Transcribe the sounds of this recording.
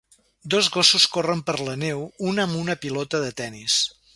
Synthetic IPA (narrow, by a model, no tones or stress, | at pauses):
d̪ozɣosuskorəmpəɾlənewunəmunəpilɔt̪əðət̪ɛnis